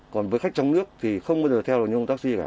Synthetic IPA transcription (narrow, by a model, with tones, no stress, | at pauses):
kɔ˨˩nvəː˨˦jxa˦˥k̚t͡ɕɔ˧wŋ͡mnɨ˦˥ək̚t̪ʰi˨˩xə˧wŋ͡mmə˧˦ɗt̪ʰɛ˧wloː˨˩ɲ˧˩t̪aː˦˥si˧ka̰ː˧˩